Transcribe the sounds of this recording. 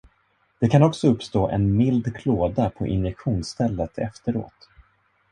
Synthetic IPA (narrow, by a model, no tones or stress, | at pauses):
d̪̥ɛkʰanɔksɔɵpːst̪oːʔɛnmɪld̪kʰloːd̪apʰɔ̰ʔɪ̰njɛkɧuːnst̪ʰɛlːət̪ʰɛ̰ft̪əɾo̰ːt̪